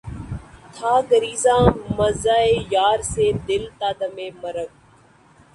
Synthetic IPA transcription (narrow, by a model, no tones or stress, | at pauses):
t̪ʰaːɡəɾiːzãːməzaːeːjaːɾseːd̪ɪlt̪aːd̪əmeːməɾək̚